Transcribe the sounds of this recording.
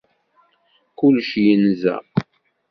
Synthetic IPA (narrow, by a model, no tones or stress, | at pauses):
kʊlʃjənzæ̰